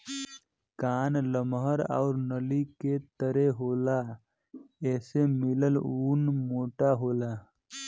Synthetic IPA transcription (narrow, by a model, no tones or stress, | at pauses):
kaːnləmɦəɾa̰ːʊɾnəliket̪əɾeɦoːla | ɛːsemɪləluːnmoːʈaɦoːla